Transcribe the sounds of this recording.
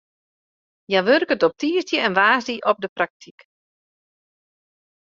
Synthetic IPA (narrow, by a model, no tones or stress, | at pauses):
jaʋørkətɔp̚tiːəstjəɛnʋaːsdiʔɔp̚dəprak̚tʰik